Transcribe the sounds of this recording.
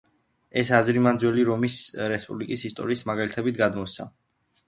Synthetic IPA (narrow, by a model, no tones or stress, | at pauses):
ɛsazɾimand̪zwɛliɾɔmisɾɛspʼublikʼisist̪ʼɔ̰ɾiːsmaɡalit̪ʰɛbit̪̚ʰɡad̪mɔsa̰